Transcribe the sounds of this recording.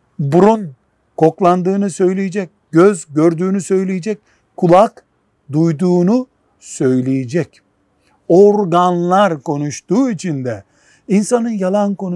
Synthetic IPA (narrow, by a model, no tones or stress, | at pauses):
buɾun | kʰo̞klˠand̪ɯːnɯsø̞jlʲejed͡ʒɛc̚ɟøzɟøɾd̪yːnysø̞jlʲejed͡ʒɛc̚ | kʰːulˠak | d̪ujd̪uːnu | sø̞jlʲejed͡ʒɛc | oɾɡanlˠaɾko̞nuʃt̪uːit͡ʃʰind̪ɛ | insanɯnjalˠanko̞n